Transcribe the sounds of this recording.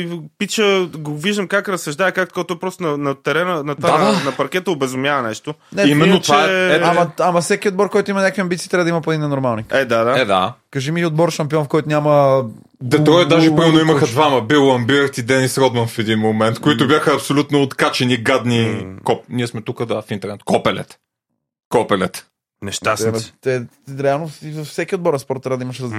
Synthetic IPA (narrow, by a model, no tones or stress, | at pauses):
ipit͡ʃəɡoviʒd̪əmkakɾɐsɐʒd̪aɛkak̚t̪o̥kt̪ɔɛjpɾɔst̪onɐnɐt̪ɛɾɛnənɐt̪daad̪anɐpɐɾkʲɛt̪əobɛzʊmjavɐnɛʃt̪onɛimɛnːot̪vaɛɛamɐamɐfsɛkʲiod̪̚bɔɾkɔjt̪ʊimɐnʲjakviɐ̃mbit̪siːt̪ɾabəd̪ɐimɐpoɛd̪inɛnoɾmalˠnikɛd̪ad̪aɛd̪a̰kɐʒimiod̪̚bɔɾʃɐmpiɔnfkɔjt̪ʊnʲamə | d̪ɛt̪ɾɔjd̪aʒɛpɾimɛɾnoimɐxəd̪vamɐbilˠɐmbiəɾt̪id̪ɛnisɾɔd̪mɐnfɛd̪inmomɛnt̪koit̪ʊbjaxəːpsolʲut̪noːt̪kat͡ʃɛniɡad̪nikɔpniɛsmɛt̪ukəd̪afint̪ɛɾnɛt̪̚kɔpɛlɛ̰t̪ | kɔpɛlɛt̪ | nɛʃt̪ast̪ɛɾɛalˠnovfsɛkʲiod̪bɔɾɐspɔɾt̪ːɾabəd̪ɐimɐʃ